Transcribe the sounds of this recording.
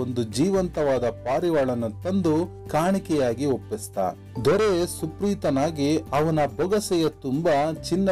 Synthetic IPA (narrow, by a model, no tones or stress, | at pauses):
ond̪ud͡ʒiːʋɐnt̪ɐʋaːd̪ɐpaːɾiʋaːɭɐnɐt̪ɐnd̪u | kaːɳikɛjaːɡiopːist̪a̰ː | d̪ɔɾesupɾiːt̪ɐnaːɡiɐʋɐnɐbɐɡɐsɛjɐt̪umbat͡ʃinːɐ